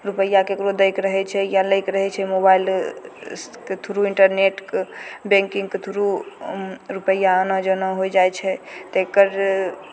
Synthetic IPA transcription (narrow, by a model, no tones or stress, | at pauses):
ɾupəjːakekɾod̪əjkɾəɦɛt͡ʃʰɛjaləjkɾəɦɛt͡ʃʰɛmobail | ket̪ʰuɾuiɳʈəɾneʈkbẽŋkĩŋɡket̪ʰuɾu | ɾupəjːaənəd͡ʒənəɦojd͡ʒajt͡ʃʰɛt̪ekəɾ